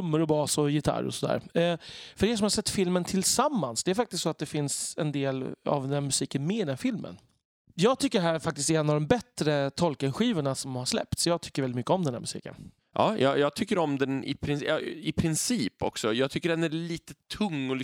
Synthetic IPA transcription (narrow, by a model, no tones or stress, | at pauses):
mːəɾɔbɑːsɔjɪt̪ʰa̰ɾɔ̰sɔd̪æ̰ːɾ | fœɖɛʂ̬ɔmhaʂsɛt̪ːfɪlmənt̪ʰɪlsamːansd̪ɛæɾfak̚t̪ɪst̪sɔat̪̚d̪ɛfɪnsɛ̰nd̪eːla̰vd̪ɛnːmɵsiːkənmeːɾɛnfɪlmə̰n | jɑːɡ̚t̪ʰʏkːəɾɦæːɾɾfakt̪ɪst̪ɛɛnːavd̪ɔmbɛt̪ɾət̪ʰɔlkənɧiːvəɳasɔmhaʂlɛ̰p̚t̪sɔjɑːɡ̚t̪ʰʏ̥kːəɾvɛlɪt̪mʏkːəɔmd̪ɛnhæ̰ːmɵsḭːkə̰n | jʔɑ̰ːjʔɑ̰ːjɑːɡ̚t̪ʰʏkːəɾɔmd̪ɛnɪ̰pʰɾɪjɑ̰ɪpʰɾɪnsiːpɔ̰ksɔjɑɡt̪ʰʏkːəɖɛnæɾɭiːt̪ət̪ʰɵŋːɔl